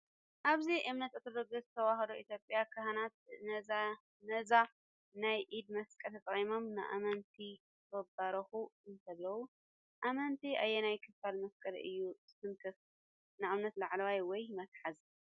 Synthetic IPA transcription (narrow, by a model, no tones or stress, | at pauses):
ʔaβziʔɨmnɐt̪ʔɨt̪ʰod̪oɡɐzɨt̪ʰɐwahɐd̪oʔit̪ʰjopʼːjakʰɐhanat̪̚ | nɐza | najʔid̪mɐskʼɐlt̪ʰɐt̪ʼɐχʼimo̞mnɨ̰ʔa̰mɐnt̪ʰi | bɐbaɾɐxuɨnt̪ʰɐβlɐwu | ʔamɐnt̪ʰiʔa̰jːenajkʰɨfalmɐskʼɐlɨ̰jːuzɨsɨmt̪ʰɨf | nɨʔɨmnɐt̪laʕlɐwajwɔjmɐt̪ħaz